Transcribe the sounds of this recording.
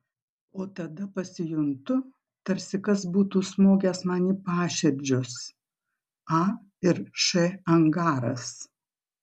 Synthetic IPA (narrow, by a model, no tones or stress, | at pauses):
oːt̪ɐd̪ɐpɐsʲɪjʊnt̪ʊ | t̪ɐɾʲsʲɪkɐsbuːt̪uːsmoːɡʲɛsmɑːnʲiːpɑːʃʲɛɾʲd͡ʒʲʊs | ɑː | ɪɾʃɛɐŋɡɑːɾɐ̰s